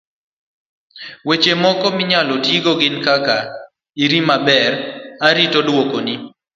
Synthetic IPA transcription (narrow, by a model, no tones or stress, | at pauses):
wet͡ʃemɔkɔmɪɲalotiɡoɡɪnkaka | iɾimabɛraɾitodwokonɪ